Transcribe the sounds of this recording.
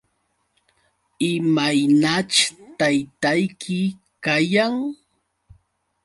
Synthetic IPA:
ɪmajnat͡ʃt̪ajt̪ajkʰɪ | kajaŋ

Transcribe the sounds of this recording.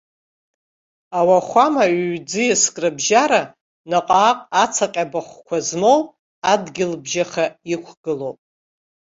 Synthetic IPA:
awaχʷamaɥːd͡zɨjaskʼrɨbʒaɾa | naqʼaːqʼat͡sʰaqʲʼabaχʷkʷʰazmowʼ | adɡʲɪlbʒaχaikʷʰɡ̥ɨlowpʼ

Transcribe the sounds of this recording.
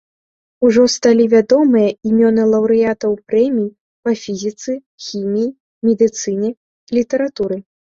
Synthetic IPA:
uʐɔst̪alʲivʲad̪ɔmɨjɐimʲɔnɨlˠɐwɾɨjat̪ɐwpɾɛmʲij | pɐfʲizʲit̪sɨ | xʲimʲiji | mʲɛd̪ɨt̪sɨnʲɛ | lʲit̪ɐɾat̪uɾɨ

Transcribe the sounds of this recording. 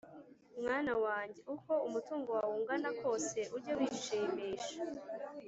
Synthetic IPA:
mŋaːnawaːɲɟeʔuko̞umutuːŋɡo̞wawuːŋɡanako̞ːse̞ʔuɾɟawiːʃemiːʃḁ

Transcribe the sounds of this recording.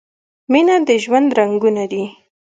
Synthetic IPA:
minad̪əʒwand̪ɾaŋɡunad̪i

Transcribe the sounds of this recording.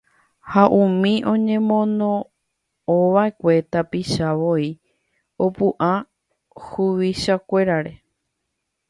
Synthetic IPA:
haʔũmĩʔõ̞ɲẽ̞mõ̞nõ | oʋae̞kʷe̞t̪apiʃaʋo̞i | o̞puʔa | huʋiʃakʷe̞ɾaɾe̞

